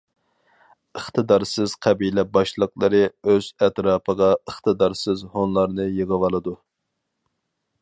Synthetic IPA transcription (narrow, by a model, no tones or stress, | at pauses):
əχt̪ʰɨd̪ɑɾsɨz̥qʰɛbilɛbɑʃlˠəqlˠɨɾɨøz̥ɛt̪ɾɑːpʰəʁɑəχt̪ɨd̪ɑɾsɨzhonlˠɑɾnɨjeʁəwɑlˠɨd̪u